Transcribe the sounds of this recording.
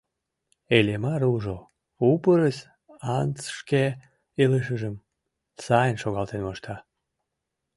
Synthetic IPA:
elemɑɾuʒo | upəɾəs | ɑnt͡sʃke | eləʃ̬əʒəm | sɑjənʃoɣɑlt̪enmoʃt̪ɑ

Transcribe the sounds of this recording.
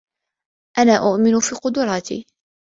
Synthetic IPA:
ʔanaːʔʊʔmɪnʊfiːqʊd̪ʊɾˤɑːt̪ḭː

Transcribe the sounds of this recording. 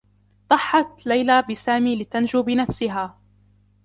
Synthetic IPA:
d̪ˤɑħːɑt̪lajlaːbɪsaːmiːlɪt̪and͡ʒuːbɪnafsɪɦaː

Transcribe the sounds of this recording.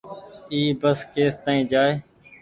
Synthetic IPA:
iːbəskeːst̪aːĩːd͡ʒaːeː

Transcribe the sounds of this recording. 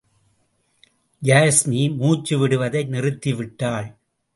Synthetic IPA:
jaːsmimuːt͡ʃːɯʋɪɽɯʋɐðɐɪnɪrɯt̪ːiʋɪʈːaːɭ

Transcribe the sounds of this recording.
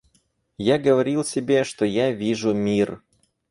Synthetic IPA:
jaɡəvɐɾʲilˠsʲɪbʲeʂt̪ojavʲiʐʊmʲir

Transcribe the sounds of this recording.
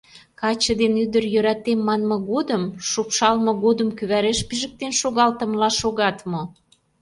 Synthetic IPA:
kɑt͡ɕə̆d̪enyd̪ərjøɾæt̪emːɑnmɤ̆ɣod̪əmʃupʃɑlmɤ̆ɣod̪əmkyβæɾeʃpiʒə̆k̚t̪enʃoɣɑlt̪ə̆mlɑʃoɣɑt̪mo

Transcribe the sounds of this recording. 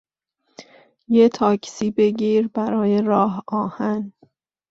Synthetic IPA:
jet̪ʰɒːcʰsiːbe̞ɟiːɾbæɾɒːje̞ɾɒːɦɒːhæn

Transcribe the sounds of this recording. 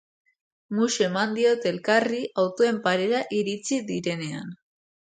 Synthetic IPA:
muʃe̞mand̪io̞t̪e̞lkariʔawt̪oe̞mpaɾe̞ɾaʔiɾit͡siðiɾe̞ne̞a̰n

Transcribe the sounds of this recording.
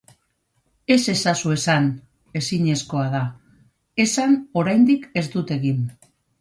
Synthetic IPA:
e̞se̞sasue̞san | e̞siɲe̞sko̞að̞a | e̞sano̞ɾajnd̪ike̞zd̪ut̪e̞ɣim

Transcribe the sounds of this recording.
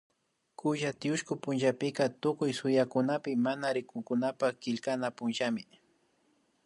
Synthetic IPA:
kʊʒat̪ɪʊʃkʊpʊnʒapɪkat̪ʊkʊjsʊjakʊnapɪmanaɾɪkʊŋkʊnapakɪʎkanapʊnʒamɪ

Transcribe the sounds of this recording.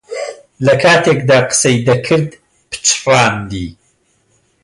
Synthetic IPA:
lɐkʰaːt̪ʰeːkd̪aːqə̥sɐjd̪ɐkʰɨɾd̪ | pʰɨ̥t͡ʃʰraːnd̪iː

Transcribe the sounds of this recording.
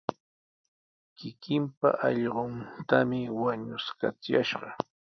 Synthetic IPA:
kɪkɪmpa̰ʔɑʎɢont̪amɪwaɲʊska̰t͡sjaʃɢɑ

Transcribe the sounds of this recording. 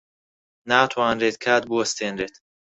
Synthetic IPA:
naːt̪ʰuanɾet̪̚kʰaːd̪̚buɐst̪ʰenɾet̪

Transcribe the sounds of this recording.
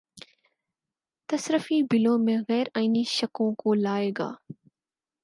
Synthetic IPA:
t̪ɐsɾəfibɪlõːmẽɣɛːɾaːiniʃəkõːkoːlaːeːɡa̰ː

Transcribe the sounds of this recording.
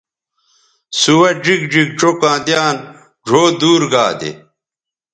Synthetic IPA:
suwɐd͡ʑiɡd͡ʑik̚ʈ͡ʂokãːd̪jaːn | ʐʱoːd̪uːɾɡaːd̪ḛ

